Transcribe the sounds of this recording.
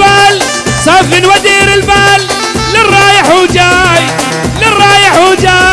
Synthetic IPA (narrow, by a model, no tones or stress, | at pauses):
baːl | saːfɪnwad̪iːɾɪlbaːlː | ɪrˤːɑːjɪħud͡ʒaːj | lɪrˤːɑːjɪħud͡ʒaː